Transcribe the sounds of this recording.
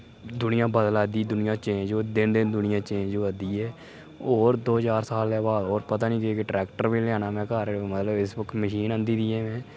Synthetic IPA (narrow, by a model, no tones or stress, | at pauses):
d̪ʊnɪjãːbəd̪əlaːd̪iːd̪ʊnɪjãːt͡ʃẽːɲd͡ʒoːd̪ɪnd̪eːd̪ʊnɪjãːt͡ʃẽːd͡ʒoəd̪iːɛː | oːɾd̪oːɦəd͡ʒaːɾsaːlɛːbaːd̪oːɾpət̪aːnĩːkeːkeʈɾɛːkʈəɾbĩːljaːnaːmɛ̃ːkaːɾmət̪ləbɪsbʊkməʃiːnə̃nd̪iːd̪iːɛ̃ːmɛ̃ː